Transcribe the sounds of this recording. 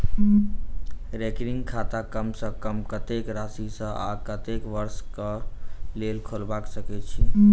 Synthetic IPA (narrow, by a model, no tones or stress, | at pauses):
ɾekɾiŋɡkʰat̪akəmsə̃kəmkət̪ekɾasisə̃a̰kət̪ekʋəɾskəlelkʰolbaksəkɛt͡ʃʰi